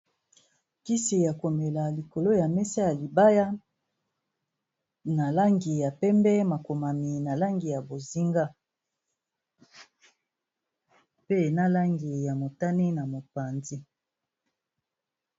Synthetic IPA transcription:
ki˦si˨ja˨ko˨me˨la˨li˨ko˨lo˦ja˨mɛ˦sa˦ja˨li˨ba˦ja˦ | na˨la˦ŋɡi˨ja˨pɛ˦mbɛ˦ma˨ko˨ma˨mi˨na˨la˦ŋɡi˨ja˨bo˨zi˦ŋɡa˦ | pe˦na˦la˦ŋɡi˨ja˨mo˨ta˦ni˦na˨mo˨pa˨nzi˦

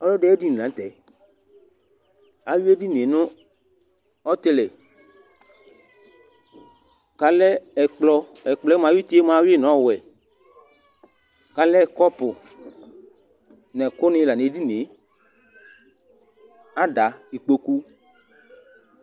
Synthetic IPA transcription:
ɔ˦lɔ˦dɛ˦e˦di˦n˨lã˨˦t̪ɛ˨ | a˨wu˦e˦di˦n˨e˨nʊ̃˦ | ɔ˦t̪ɪ˦lɛ˨ | ka˨lɛ˦ɛ˨k͡plɔ˧ɛ˨k͡plɔ˨˦ɛ˦m˨ã˨˦wi˦t̪i˦e˦mã˨˦wɪ˦nɔ̃˨˦˨wɛ˨ | ka˨lɛ˦˨kɔ˦pʊ˨ | nɛ˨kʊ˦nɪ̃˧˦la˨ne˨˦di˦n˨e˨˦ | a˦da˨i˨k͡po˧ku˦

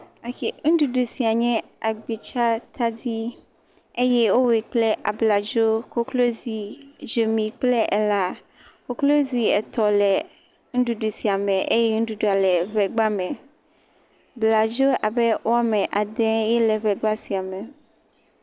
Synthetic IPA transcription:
a˨ki˦˨ŋũ˦ɖu˨ɖu˨si˨a˨ɲɛ̃˦ | a˨ɡ͡bi˨t͡ʃa˦t̪ʰa˦d̪i˦ | e˦jɛ˦wo˦we˨k͡plɛ˦ʔa̰˨bla˨d͡ʒo˦ko˦klo˦zi˨d͡ʒo˨mĩ˨k͡plɛ˦ʔɛ˦la˦ | ko˨klo˦zi˨ɛ˨t̪ɔ˨lɛ˨ | ŋ̩̃˦ɖu˨ɖu˨si˨a˨mɛ̃˨ʔe˦jɛ˦ŋ̩̃˦ɖu˦ɖu˨a˨lɛ˨βɛ˨ɡ͡ba˦mɛ̃˨ | bla˨d͡ʒo˦ʔa˨bɛ˦wo˦a˦mɛ̃˨ʔa˨d̪ɛ˦jɛ˦lɛ˨βɛ˨ɡ͡ba˦si˨a˨mɛ˨

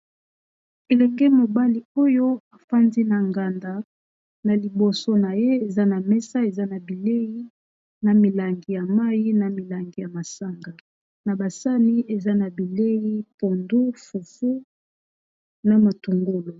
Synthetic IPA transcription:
e˨lɛ˨ŋɡɛ˦mo˨ba˦li˦o˦jo˦a˨fa˦ndi˦na˨ŋɡa˨nda˨ | na˨li˨bo˨so˦na˨je˦e˨za˦na˨mɛ˦sa˦e˨za˦na˨bi˨le˦ji˦ | na˨mi˨la˨ŋɡi˨ja˨ma˦ji˦na˨mi˨la˨ŋɡi˨ja˨ma˨sa˦ŋɡa˨ | na˨ba˨sa˦ni˦e˨za˦na˨bi˨le˦ji˦po˨ndu˦fu˨fu˦ | na˨ma˨tu˨ŋɡo˦lo˨

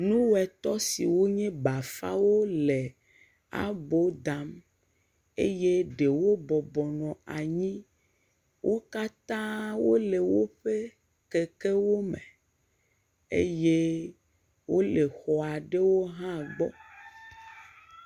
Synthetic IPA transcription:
nũ˦wɛ˨t̪ɔ˦si˨wo˦ɲɛ̃˦ba˨fa̰˦wo˦le˨ | a̰˨bo˦d̪a˨˦m | e˦je˦ɖe˨wo˦bɔ˨bɔ˨nɔ̃˨a˨ɲĩ˦ | wʔo˦ka˦t̪ã˦wo˦le˨wo˦ɸe˦ | ke˨ke˦wo˦me˨ | ḛ˦je˦ | wo˦le˨xɔ˨a˨ɖe˦wo˦ɦã˦ɡ͡bɔ̰˦

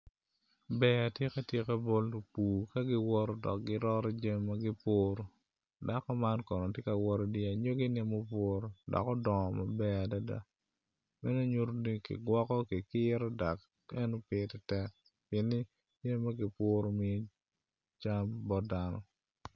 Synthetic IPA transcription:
bɛ˦a˨tje˦ka˦tje˦ka˦bo˦lu˨puː˨ka˦ɡɪ˦wɔ˦ɾɔ˦dɔ̰˨k̚ɡɪ˦ɾɔ˦ɾɔ˦d͡ʒe˦mma˦ɡɪ˦po˦ɾo˨ | da˦kɔ˦ma˦nkɔ˨nɔ˨tje˦ka˨wɔ˦ɾɔ˨di˦a˨ɲo˦ɡɪ˦ni˦mo˦p̬wo˦ɾo˨dɔ̰˨kɔ˦dɔ˨ma˨bɛ˦a˨da˦da̰˦ | mɛ˦no˦ɲu˦ɾo˦ni˦kḭ˨ɡwɔ˦kɔ˦kɪ˨kɪ˦ɾɔ˦da˨k | ɛ˦no˦pɪ˦tɛ˨tɛ˦k̚ | pɪe˨nːɪ˦ | d͡ʒe˦m˦mːa˦ɡɪ˨po˦ɾo˦mɪ˦e˦ | t͡ʃa˦mbɔ˦da˦nɔ̰˨

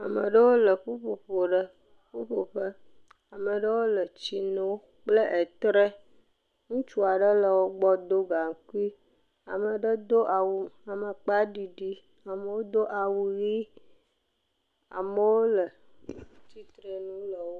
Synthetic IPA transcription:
a˨mə̰˨ɖə˦wo˦lə˨ɸu˦ɸo˨ɸo˨ɖə˦ | ɸu˦ɸo˨ɸə˦ | a˨mə˨ɖə˦wo˦lə˨t͡ɕi˦nõ˦w | k͡plə˦ʔe˨t̪ɾe˦ | ŋũ˦t͡ʃu˦a˨ɖə˦lə˨wo˦ɡ͡bɔ˦d̪o˦ɡa˨ŋ˦ku˦i˦ | a˨mə˨ɖə˦d̪o˦ʔa˨wu˨a˨mə˨k͡pa˦ɖi˨ɖi˦ | a˨mə˨wo˦d̪o˦ʔa˨wu˨ɣi˦ | a̰˨mə˨wo˦lə˨ | t͡ɕi˦t̪ɾe˨nũ˦lə˨wo˦

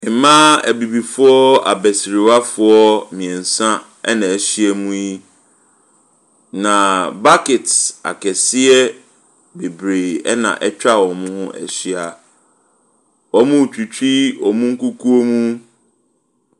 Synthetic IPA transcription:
e˨mã˦æ̰˨bi˨bi˨fʊ˦ɔ˦a̰˨bɛ˨si˨ɾi˨wa˦fʊ˦ɔ˦mĩ˨ɛ̃˨n̩˨sã˦ | ɛ̰˦nã˨ɛ˨ɕi˦ɛ˦mũ˦ji˦ | nã˨ba˦kɪ˨ta̰˨kʰɛ˨sɪ˦ɛ˦ | be˨bɾe˨ɛ̰˦nã̰˨ʔɛ˦t͡ɕᶣa˦˨wɔ̃˨mʊ̃˦hʊ̃˦ʔɛ̰˨ɕi˦a˨ | wɔ˨mʊ̃˦˨t͡ɕᶣi˨t͡ɕʰᶣi˦ɔ˨mũ˦ŋ̩˦ku˦kʰu˦o˦mũ˦

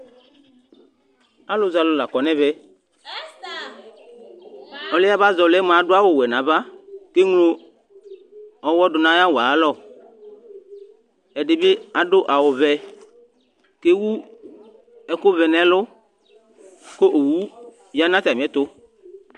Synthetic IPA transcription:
a˦lʊ˨za˨lʊ˨la˨kɔ˨nɛ̃˦vɛ˦ | ɔ˨lɛ˦a˦ba˦zɔ˨lɛ˦m˨a˨˦dʊ˦a˦wo˦wɛ˨nã˨ba˦ke˦ŋlo˦ | ɔ˨wɔ˦dʊ˨nã˦ja˦wo˨a˨˦lɔ˦˨ | ɛ˨ɖɪ˨be˦a˨ɖʊ˦ʔa˨wʊ˨vɛ˨ | ke˦wu˦ | ɛ˦kʊ˦vɛ˨nɛ˦lʊ˦ | ko˦ʔo˨wu˦ | ja˦nã˦t̪a˨mi˨ɛ˦t̪ʊ˦

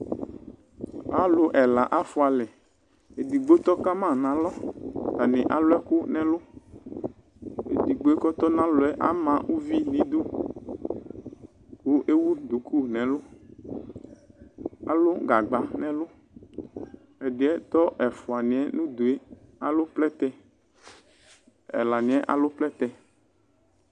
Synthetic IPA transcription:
a˨lʊ˨ʔɛ˨la˨ʔa˦fʊ˨˦a˨lɛ˨ | e˨d̪i˨ɡ͡bo˦t̪ɔ˦ka˦mã˦˨nã˨lɔ˦ta˨nɪ̃˨ʔa˨lʊ˦ɛ˦kʊ˦nɛ̃˦lʊ˦ | ḛ˨d̪i˨ɡ͡bo˨˦e˦kɔ˦t̪ɔ˦nã˦lʊ˨˦ɛ˦ʔa̰˦mã˨ʔu˦vi˦nĩ˨˦d̪ʊ˦ | ku˦ʔe˦wu˦d̪u˨kʰu˦nɛ̃˨lʊ˦ | a˨lo˦ɡa˨ɡ͡ba˨nɛ̃˨lʊ˦ | ɛ˨dɪ˨ɛ˦t̪ɔ˦ʔɛ˨fɔ˨a˨nĩ˨ɛ˦nũ˦d̪u˨e˦ | a˨lo˦plɛ˦t̪ɛ˦ | ɛ̰˨la˨nĩ˨ɛ˦ʔa̰˨lo˦plɛ˦t̪ɛ˦

